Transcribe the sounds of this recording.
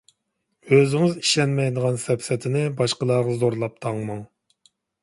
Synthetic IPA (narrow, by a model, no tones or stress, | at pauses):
øzɪŋɪziʃɛnmɛjd̪əʁɑnsɛpsɛt̪ʰɪnɪbɑʃqəlˠɑːʁɑzoɾlˠɑp̚t̪ʰɑŋmɑŋ